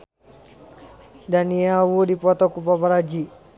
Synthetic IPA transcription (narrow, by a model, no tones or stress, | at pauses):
daniawudipɔt̪ɔkupapaɾad͡ʒi